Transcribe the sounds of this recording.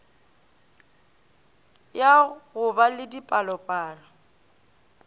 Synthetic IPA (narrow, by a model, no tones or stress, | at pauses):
jaɣʊbalɪdipʼalɔpʼaːlɔ